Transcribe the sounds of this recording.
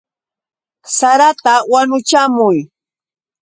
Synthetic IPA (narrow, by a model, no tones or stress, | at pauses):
saɾat̪awanʊt͡ʃamʊj